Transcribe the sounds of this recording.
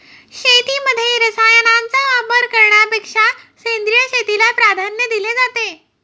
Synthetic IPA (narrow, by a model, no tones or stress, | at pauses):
ɕet̪iməd̪ʱːjeɾəsajənant͡saʋapəɾkəɾɳjapekʂasend̪ɾijəɕet̪ilapɾad̪ʱanjəd̪iled͡zat̪e